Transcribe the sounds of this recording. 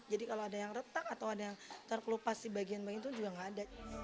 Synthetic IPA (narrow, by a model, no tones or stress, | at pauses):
d͡ʒadikaloadajaŋrət̪ak̚at̪awadajaŋt̪ərkəlupasdibaɡianbaɡint̪uŋd͡ʒuɡaŋada